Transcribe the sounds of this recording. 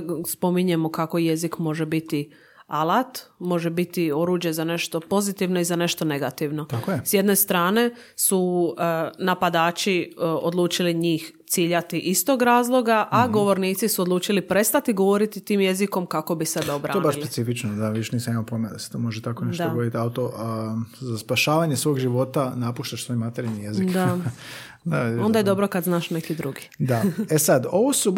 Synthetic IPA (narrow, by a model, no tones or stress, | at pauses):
spo̞miɲe̞mo̞kako̞je̞zikmo̞ʒebit̪i | alat̪mo̞ʒebit̪io̞ɾuːd͡ʒje̞zane̞ʃt̪o̞po̞zit̪iʋno̞izane̞ʃt̪o̞ne̞ɡat̪iʋno̞t̪akojesje̞d̪ne̞st̪ɾaːne̞ | su | napad̪aːt͡ʃiod̪lˠuːt͡ʃiliɲiːxt̪siːʎat̪iʔist̪o̞ːɡɾaːzlˠo̞ɡaʔaɡo̞ʋo̞ɾniːt̪sisuod̪luːt͡ʃilipɾe̞st̪at̪iɡo̞ʋo̞ɾit̪it̪iːmje̞ziko̞mkako̞bisebeobɾa̰oeebaʃslpe̞tsifit͡ʃnod̪aʋioʃniːsamimapoimad̪ase̥t̪oːmo̞ʒet̪ako̞net̪ood̪it̪iaut̪o | zaspaʃaːʋaɲesʋo̞ːɡʒiʋo̞t̪anapuʃt̪aʃsʋo̞jmat̪eɾilnije̞zikd̪a | d̪aond̪ajed̪o̞bɾokad̪znaːʃnekid̪ɾuɡid̪aesad̪o̞ʋosu